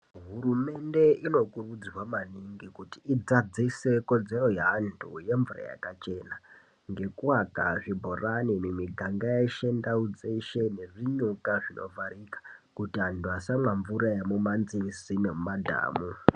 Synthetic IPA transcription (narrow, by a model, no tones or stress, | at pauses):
ɦuɾume̞nde̞ino̞kurud͡zrwamaniŋɡikutiid͡zad͡zise̞ko̞d͡ze̞ro̞jaːntʰṵje̞ɱvura̰ja̰kat͡ʃe̞ːna | ŋɡe̞kuwakaʐibʱoraninemiɡʱaŋɡajeiʃendaud͡zeʃe̞neʐiɲukaʐinʔo̞̰vaɾikḁkutiandwasamwaɱvuɾajemumanzirisinemumadʱa̰ːmu